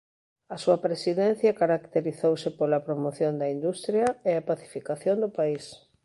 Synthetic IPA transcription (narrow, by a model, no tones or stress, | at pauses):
ɐsuɐpɾesiðɛn̟θjɐkaɾakt̪eɾiθowsɪpolɐpɾomoθjond̪ɐind̪ust̪ɾjɐeɐpaθi̥fikaθjond̪ʊpais